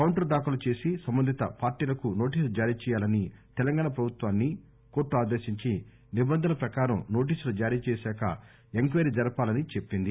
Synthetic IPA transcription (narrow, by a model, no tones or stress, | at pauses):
kɐwɳʈɐɾd̪aːkulɐt͡ʃe̞ːsisɐmbɐnd̪ʱit̪ɐ̰paːɾʈiːlɐkuno̞ːʈ̬iːslud͡ʒaːɾiːt͡ʃɛːjaːlɐnit̪ɛlɐŋɡaːɳɐpɾɐbʱut̪ʋaːnːi | ko̞ːʈːuaːd̪eːʃiɲt͡ʃi | nibɐnd̪ʱɐnɐpɾɐkaːɾɐmno̞ːʈ̬iːsulud͡ʒaːɾiːt͡ʃɛːsɛːkɐ̰ | eŋkʋeɾid͡ʒɐɾɐpaːlɐnit͡ʃe̞pːind̪i